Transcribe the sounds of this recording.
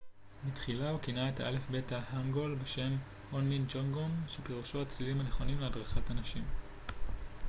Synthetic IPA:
mitχilaukinaetaʔale̞fbe̞tahaŋɡo̞lbeʃe̞m | honmind͡ʒoŋɡomʃepiʁuʃoat͡slilimhane̞χo̞nimleadʁaχatanaʃim

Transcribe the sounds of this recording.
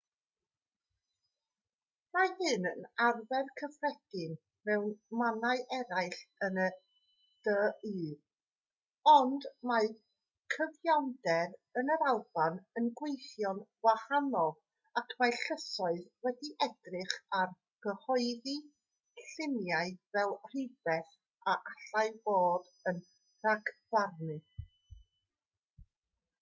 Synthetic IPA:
mahɨnənarvɛrkʰəvrɛd̥ɪn | mɛwnmanaɨʔɛɾajɬənə | d̥əiː | ɔndma | kʰəvjandɛɾənəɾalˠb̥anənɡwejθjɔnvwahanɔlˠ | akʰmajɬəsɔɨðwɛdiʔɛdrɨχar | ɡ̥əhɔɨði | ɬɪmjaɨvɛlˠr̥ɪbɛθ | aʔaɬajboːd | ən | raɡv̥arnɨ

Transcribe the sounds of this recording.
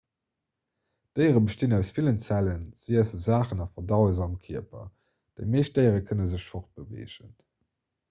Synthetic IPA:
d̥əɪʁəbəʃtinæʊsfilənt͡sælənz̥iəzəzaːχənɑfɐdɑʊəzɑmkʰiɐpɐ̰ | d̥əɪmeːʃdəɪəʁəkʰənəzəɕfoχt̚b̥əvḛːʒən

